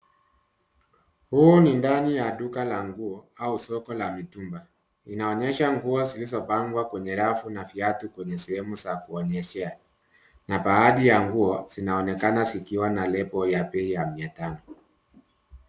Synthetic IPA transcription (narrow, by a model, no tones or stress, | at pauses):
hunindanijaɗukalaŋɡuɔausɔkɔlamitumba | inaɔɲɛʃaŋɡuɔzilizɔpaŋɡwakwɛɲɛɾafunafiatukwɛɲɛsɛhɛmusakuɔɲɛʃɛa | napaaɗijaŋɡuɔz̥inaɔnɛkanasikiwanalɛpɔjapɛijamiatanɔ